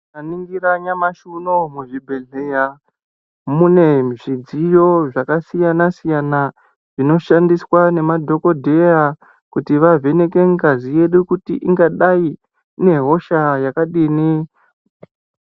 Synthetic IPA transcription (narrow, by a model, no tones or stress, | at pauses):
aniŋɡiraɲamaʃunomuʐibʱe̞ɮeja | mune̞ʐid͡zijo̞ʐakasijanasijana | ʐ̥ino̞ʃandiswane̞madʱo̞ko̞dʱe̞ja | kutiʋave̞ne̞ke̞ŋkazije̞ɗukutḭʔiŋɡaɗai | ne̞ɦo̞ʃajakaɗini